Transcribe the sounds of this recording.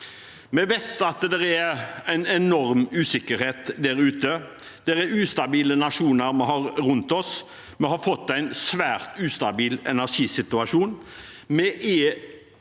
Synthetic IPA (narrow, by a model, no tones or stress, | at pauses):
mɛʋæt̪ɑt̪d̪ɛɾææɪnɛnɔɾmʉːsɪkːəɾheːt̪d̪æɾʉːt̪ə | d̪̥ɛɾɛʉːst̪ɑbiːlənɑʂuːnəɾmɛhɑɾɾʉnt̪ɔs | mɛhɑɾfɔt̪ːæɪnsʋæːɾt̪ʉːst̪ɑbiːlɛ̰næʂiːsɪt̪ʉɑʂuːn | mɛʔɛ